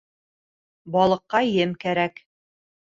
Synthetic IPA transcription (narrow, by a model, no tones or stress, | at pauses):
bɑlˠɤ̆qːɑjɘmkæɾæk